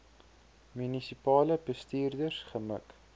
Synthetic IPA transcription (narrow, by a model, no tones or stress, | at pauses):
mynisipɑːləbəstiːrdərsχəmə̰k